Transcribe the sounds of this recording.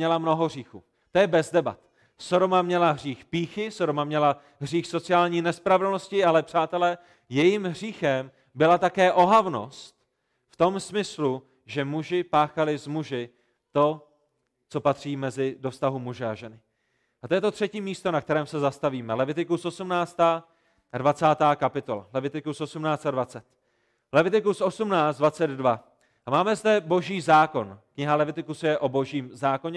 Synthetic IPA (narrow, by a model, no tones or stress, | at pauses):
ɲɛlamno̞ɦoɦr̝iːxuː | t̪ojɛbɛzdɛba̰t̪ | so̞ɾo̞mamɲɛlaɦr̝iːxpiːxɪso̞domamɲɛla | ɦr̝iːxso̞t͡sɪaːlɲiːnɛspɾavɛdlno̞scɪalɛpr̝̥aːt̪ɛlɛ | jɛjimɦriːxɛm | bɪlat̪akɛːʔo̞ɦavno̞̰st̪ | ft̪o̞msmɪslu | ʒɛmuʒɪpaːxalɪzmuʒɪ | t̪o̞ | t͡so̞pat̪r̝̥iːmɛzɪdo̞fst̪aɦumuʒɛaʒɛnɪ | ʔat̪ojɛt̪o̞t̪r̝̥ɛciːmiːst̪o̞nak̚t̪ɛɾɛːmsɛzast̪aviːmɛlɛvɪt̪ɪkusʔo̞sumnaːt͡st̪aː | advat͡saːt̪aːkapɪt̪o̞la̰lɛvɪt̪ɪkusʔo̞sumnaːt͡st̪advat͡sɛt̪ | lɛvɪt̪ɪkusʔo̞sumnaːt͡sd̪vat͡sɛd̪dva | ʔamaːmɛzdɛbo̞ʒiːzaːko̞nkɲɪɦalɛvɪt̪ɪkusjɛʔo̞bo̞ʒiːmzaːko̞ɲɛ